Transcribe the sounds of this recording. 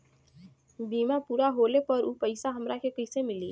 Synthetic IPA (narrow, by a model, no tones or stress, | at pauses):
biːmapuːɾaɦoːlepɐɾuːpəɪsaɦɐmɾakekɐɪsemɪliː